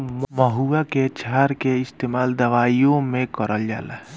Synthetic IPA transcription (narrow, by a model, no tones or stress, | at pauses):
mməɦuaket͡ʃʰaɾkeɪst̪eːmaːld̪əʋaːijõmẽkəɾəld͡ʒa̰ːlɛ̰